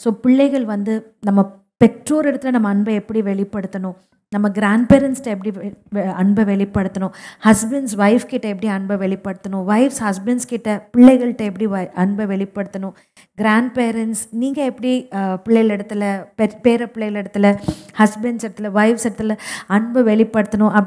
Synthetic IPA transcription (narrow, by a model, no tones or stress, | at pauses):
soːpɪɭːɐɪɣɐɭʋɐnd̪ɯnɐmːɐ | pɛʈɾoːɾɪɽɐt̪ːɯlɐnɐmːɐːɳbɐɛpːɐɽiʋɛɭɪpːɐɽɯt̪ːɐnʊ̃ | nɐmːɐɡɪɾaːɳɖpeːɾɐnsʈːɐɛpːɐɽiɐɳbɐʋɛɭɪpːɐɽɯt̪ːɐnʊ̃hɐsbɐɳɖsʋɐɪfkɪʈːɐɛpːɐɽiɐɳbɐʋɛɭɪpːɐɽɯt̪ːɐnʊ̃ʋɐɪfshɐsbɐɳɖskɪʈːɐpɪɭːɐɪɣɐɭʈːɐɛpːɐɽiʋɐɐɳbɐʋɛɭɪpːɐɽɯt̪ːɐnʊ̃ | ɡɪɾaːɳɖ̚peːɾɐnʈsniːŋɡɐɛpːɐɽipɪɭːɐɪlɪɽɐt̪ːɯlɐpɛpeːɾɐpɪɭːɐɪlɛɽɐt̪ːɯlɐhɐsbɐɳɖsɪɾɐt̪ːɯlɐʋɐɪfsɪɽɐt̪ːɪlɐɐɳbɐʋɛɭɪpːɐɽɯt̪ːɐnʊ̃ʔɐ